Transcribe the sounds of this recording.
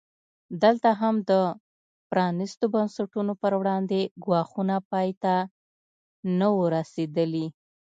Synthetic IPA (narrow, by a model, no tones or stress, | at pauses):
d̪əlt̪aɦamd̪ə | pɾɑnist̪obənsaʈunopəɾwɽɑnd̪eɡwɑxunapɑjt̪a | nəwəɾased̪əli